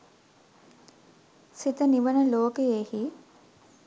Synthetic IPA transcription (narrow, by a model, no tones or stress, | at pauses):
sit̪əniʋənəloːkeehi